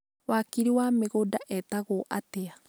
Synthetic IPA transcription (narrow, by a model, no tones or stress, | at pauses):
wakiɾiwameɣodaʔɛtaɣoʔatea